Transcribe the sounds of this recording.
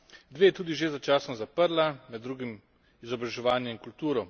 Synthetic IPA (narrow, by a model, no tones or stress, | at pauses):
d̪ʋeːjɛt̪uːd̪iʒezat͡ʃaːsnɔzapəɾlanad̪ːɾuːɡim | izɔbɾaʒɛʋaːnjɛiŋkult̪uːɾɔ